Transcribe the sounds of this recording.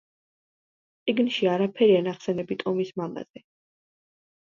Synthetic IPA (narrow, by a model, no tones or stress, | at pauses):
t̪sʼiɡnʃiaɾapʰɛɾianaχsɛnɛbit̪ʼɔmismama̰z̥ɛ